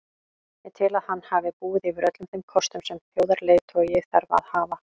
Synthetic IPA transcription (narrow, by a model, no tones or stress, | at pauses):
ɛt̪ʰɪlaðhanːhaːvɪpuːɪðivɪɾœt̪lʏmθemkʰɔst̪ʏmsɛmfjoːwðaɾlejt̪ʰɔjɛθaɾvaa̰ðhaːva